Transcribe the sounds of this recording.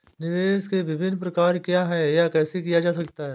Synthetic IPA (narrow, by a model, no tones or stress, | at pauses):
nɪʋeːskeʋɪbʱɪnːpɾɐkaːɾkjaːɦɛjakɛːsekijad͡ʒaːs̬ɐkt̪aɦɛː